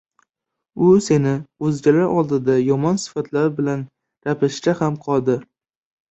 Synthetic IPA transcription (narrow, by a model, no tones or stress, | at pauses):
ʊse̞nɪɵzɡʲalaɾʔɒlˠd̪ɪd̪ajɒmɒnsɪ̥fat̪ʰlaɾbɪlan | ɾapʰɪʃt̪ahamqʰɒlˠd̪ɪ